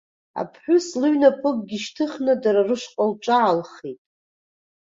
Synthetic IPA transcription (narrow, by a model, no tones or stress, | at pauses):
a̰pʰħʷᶣʊslɨɥnapʰʼɨk̚ʼɡʲiʃtʰɨχnadaɾarɨʂqʼalʈ͡ʂʼaʕalχetʼ